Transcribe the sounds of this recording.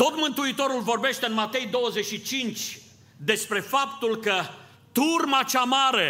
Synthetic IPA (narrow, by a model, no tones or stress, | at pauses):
t̪o̞t̪mɨnt̪uit̪o̞ɾulvo̞rbe̞ʃt̪eɨnmat̪e̞jd̪o̞wəze̞ʃit͡ʃint͡ʃʲ | d̪e̞spɾe̞fapt̪ulkə | t̪urmat͡ʃamaɾe̞